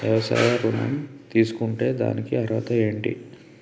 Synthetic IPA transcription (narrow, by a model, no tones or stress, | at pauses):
ʋjɐʋɐsa̰ːjɐɾunɐ̰mt̪iːsu̥kuɳʈe̞ːd̪a̰ːnikiɐɾʋaːt̪ɐe̞ːɳʈḭ